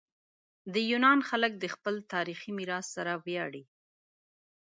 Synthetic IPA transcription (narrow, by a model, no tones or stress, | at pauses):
d̪əjunɑnxalək̚d̪əxpəlt̪ɑɾiximiɾɑsːaɾawjɑɽi